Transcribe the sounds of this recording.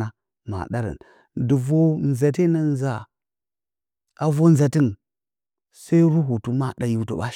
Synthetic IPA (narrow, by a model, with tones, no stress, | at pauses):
a˦ | ma̰˨ɗa˦ɾə̰˨n | du˨vo˦n˨za˨te˦na˨n˦za˨ | a˨vo˦n˦za˨ti˦n | sa˦i˦ɾu˦ɦu˨tu˦ma˦ɗa˨ju˨˦to̰˨ɓa̰˦